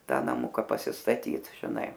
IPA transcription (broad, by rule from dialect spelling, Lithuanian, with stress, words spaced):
ˈtɐ nɐˈmʊkɐ pɐsʲɪstɐˈtʲiːt ʒʲɪˈnɐɪ